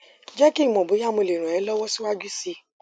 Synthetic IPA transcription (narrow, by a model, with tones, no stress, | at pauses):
d͡ʒɛ˦ki˦˨mɔ̃˨bo˨˦ja˦mũ˨˧˨le˨ɾ̃ɔ̃˨ɛ˨˦lɔ˦wɔ˦si˦wa˦d͡ʒu˦si˧